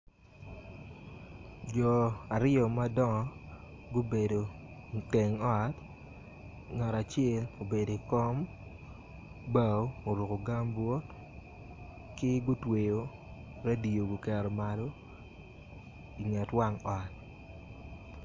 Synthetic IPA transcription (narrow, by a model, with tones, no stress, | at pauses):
d͡ʒɔ˨a˨ɾɪɔ˨ma˦dɔ˦ŋɔ˨ | ɡo˦be˨do˨ | te˨ŋɔ˦˨t | ŋa˨ɾa˨t͡ʃɛ˦lo˨be˨do˨i˨kɔ˦m | ba˦o˦o˨ɾu˨ko˨ɡa˦mbwo˦t | kɪ˦ɡʊ˦twe˨jo˨ | ɾa˦di˨o˨ɡu˨kɛ˨ɾɔ˨ma˨lo˦ | i˨ŋɛ˨twa˦ŋɔ˨t̚